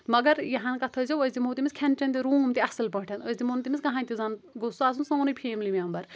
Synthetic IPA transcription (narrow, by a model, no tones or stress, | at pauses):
mɐɡɐɾjɐɦɐnkɐt̪ʰɐzʲowɐzʲd̪imoːt̪imʲiskʲʰɐnt͡ʃɐnt̪iɾuːmt̪iɐsɨlpɐ̃ʈʰɐnɐzʲd̪imoːnt̪imʲiskɐɦaːnʲt̪izɐnɡosuaːs̬unsɐːnɨpʰeːmlimeɐmbɐɾ